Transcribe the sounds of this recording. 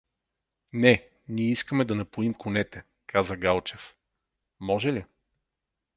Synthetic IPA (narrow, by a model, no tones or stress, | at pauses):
nɛ | niiskəmɛd̪ɐnɐpuimkʊnɛt̪ɛ | kʰazəɡalˠt͡ʃɛf | mɔʒɛli